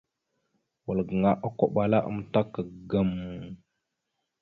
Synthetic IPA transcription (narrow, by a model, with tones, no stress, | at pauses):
wə˨lɡə˨ŋa˦ʔə˦ko˨ɓa˨la˦ʔə̰˦m˦ta˦kːə˨ɡə˦m˨